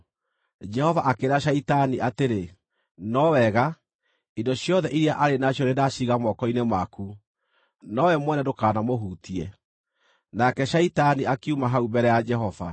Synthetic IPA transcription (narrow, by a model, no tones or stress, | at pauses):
d͡ʒɛhɔvaʔakeɾaʃaitaniʔateɾe | nɔwɛɣa | indɔɕjɔðɛʔiɾiaʔaɾenaɕjɔɾedaʃiɣamɔkɔinemwaku | nɔwɛmwɛnɛdokaːnamoɦuːtiɛ | nakɛʃaitaniakiumaɦaumbɛɾɛjad͡ʒɛɦɔva̰